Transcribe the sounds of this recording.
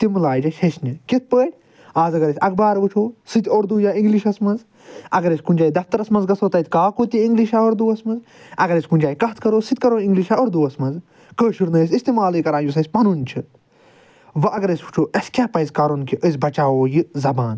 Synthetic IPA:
t̪imɨlaːjd͡ʒɐʃɐsnʲikit̪̚ʰpəːʈʲ | aːzɐɡɐɾɐsʲɐk̚baːɾʋut͡ʃʰoːsɨt̪ʲoːɾd̪uːjaːĩŋɡliʃɐsmɐnz | ɐɡɐɾɐsʲkund͡ʒaːid̪ɐft̪ɐɾɐsmɐnzɡɐsoːt̪ɐt̪ʲkaːkoːt̪iĩŋɡliʃaoːɾd̪uːɐsmɐz | ɐɡɐɾɐsʲkunʲd͡ʒaːikɐt̪ʰkɐɾoːsɨt̪̚ʲkɐɾoːĩŋɡliʃaːoːɾd̪uːɐsmɐnz | kəːʃɨɾnɐːsʲist̪iːmaːlikɐɾãːnjus̬ɐsʲpɐnunt͡ʃʰɨ | ʋɐʔɐɡɐɾɐsʲu̥t͡ʃʰoːʔɐsʲkʲaːpɐzʲkaːɾonkiʔəsʲbɐt͡ʃaːoːjizɐbaːn

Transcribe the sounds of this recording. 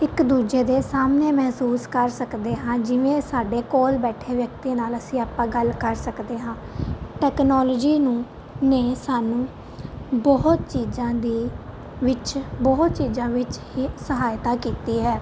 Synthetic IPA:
ɪkd̪uːd͡ʒeːd̪eːsaːmneːmɛɦsuːskəɾsəkd̪eːɦãːd͡ʒɪʋẽːsaːɖeːkoːlbɛːʈʰeːʋjək̚t̪iːnaːləsĩːaːpãːɡəlkəɾsəkd̪eːɦãːʈɛːknɔːlːd͡ʒiːnũː | neːsaːnũː | bɔɦʊt̪t͡ʃiːd͡ʒãːd̪iː | ʋɪt͡ʃbɔɦt̪t͡ʃiːd͡ʒãːʋɪt͡ʃɦiːsəɦaːjt̪aːkiːt̪iːɦɛː

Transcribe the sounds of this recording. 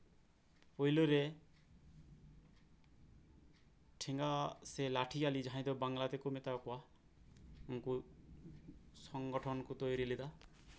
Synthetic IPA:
pɔjlɔɾe | ʈʰiŋɡaselaʈʰialid͡ʒaɦãj̃d̪ɔbaŋlat̪ekumet̪akua | uŋku | sɔŋɡɔʈʰɔnɔkut̪ojɾilid̪a

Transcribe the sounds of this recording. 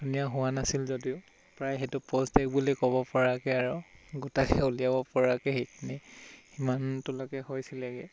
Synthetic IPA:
dʱunijaɦʊwanasilzodiʊ | pɹajɦɛtʊpɔstɛk̚bulikɔbɔpɔɹakɛaɹɔɡutakɛulijabɔpɔɹakɛxejkʰinihimantʊlɔkɛhojsilɛɡɛ

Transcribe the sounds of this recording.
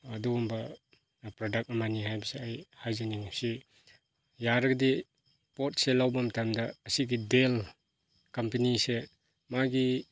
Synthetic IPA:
ɐduumbɐ | pɾodak̚ɐmaniɦajbɐseajhajzɐniŋsi | jaɾɐɡɐdi | pot̚selawbɐmtʰamdɐːsiɡidel | kɐmpenise | maɡi

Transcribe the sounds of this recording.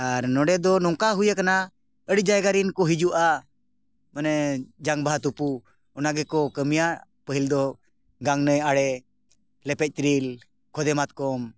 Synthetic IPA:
aɾnɔɖɛd̪ɔnɔŋkaɦujəkana | əɽid͡ʒajɡaɾinkɔɦid͡ʒuʔa | manɛd͡ʒaŋbaɦat̪upu | ɔnaɡɛkɔkəmijaʔ | pəɦild̪ɔ | ɡaŋnəjaɽɛ | lɛpɛc̚ˀt̪ɾil | kʰɔd̪ɛmat̪̚kɔm

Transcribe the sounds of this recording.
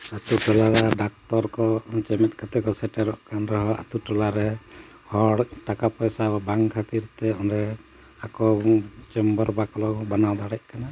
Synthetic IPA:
at̪uʈɔlaɾaɖak̚t̪ɔɾkɔt͡ʃɛmɛt̪̚ˀkat̪ɛkɔsɛʈɛɾɔʔkanɾɔɦɔa̰t̪uʈɔlaɾɛ | hɔɽʈakapɔjsaabaŋkʰat̪iɾt̪ɛɔnɾɛ | akɔt͡ʃɛmbɔɾbakɔlɔbanawd̪aɽɛc̚ˀkana

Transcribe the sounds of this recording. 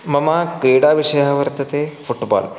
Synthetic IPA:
mɐmaːkɾeːɽaːʋiʃɐjaʋɐɾt̪ɐt̪efuʈbɔ̰ːl

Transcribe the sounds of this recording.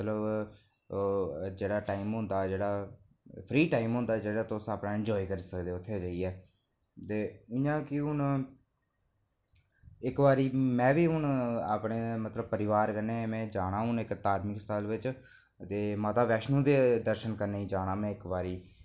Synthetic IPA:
t̪ləb | d͡ʒeːɽaːʈaːɪmɦʊ̃nd̪aːd͡ʒeːɽaː | pʰɾiːʈaːimɦʊnd̪aːd͡ʒeːɽaːt̪oːsaːpɳaːɪ̃ɳd͡ʒɔːiːkəɾiːsəkd̪eːʊt̪ʰːeːd͡ʒaːiːɛː | t̪eːʊjãːkɪɦʊn | ɪkʋaːɾiːmɛ̃ːʋiːɦʊna̰ːpɳeːmət̪ləbpəɾɪʋaːɾkəneːmɛ̃ːd͡ʒaːɽãːɦʊnɪkt̪aːɾmɪkst̪ʰəlʋɪt͡ʃ | t̪eːmaːt̪aːʋɛːʃnũːd̪eːd̪əɾʃənkəɾneːĩːd͡ʒaːɽãːmɛ̃ːɪkʋaːɾiː

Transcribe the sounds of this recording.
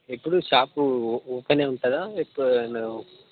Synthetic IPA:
epːuɽuʃaːpuɔːpɐneːuɳʈɐd̪aːepːn

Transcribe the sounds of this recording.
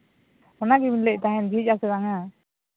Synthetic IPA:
ɔnaɡibinlɛc̚ˀt̪aɦɛnbʱic̚ˀasɛɾaŋa

